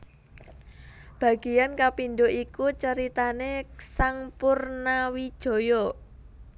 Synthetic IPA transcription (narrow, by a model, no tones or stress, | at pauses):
b̥a̤ɡ̥i̤jankapinɖoʔikut͡ʃəɾit̪anesaŋpʊrnawid̥ʒ̥o̤jɔ